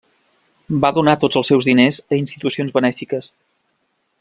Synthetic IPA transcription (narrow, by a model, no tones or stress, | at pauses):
baðunat̪od͡zəlˠsɛwzðinezəinst̪it̪usionzβənɛfikəs